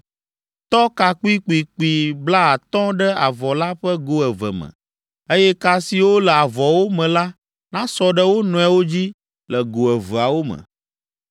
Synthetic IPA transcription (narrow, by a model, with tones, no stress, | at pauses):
t̪ɔ˦ka˨k͡pu˦i˦k͡pi˨k͡pu˨i˨bla˦a˨t̪ɔ̃˦ɖɛ˦a˨vɔ˨la˦ɸə˦ɡo˦ɛ˨və̰˨mə̰̃˨ | e˦jɛ˦ka˨si˨wo˦lɛ˨a˨vɔ˨wo˦mɛ̃˨la˦ | nã˦sɔ˨ɖə˦wo˦nɔ̃˨˦ɛ˨wo˦d͡ʑi˦ | lɛ˨ɡo˨ɛ˨və˨a˨wo˦mə̰̃˨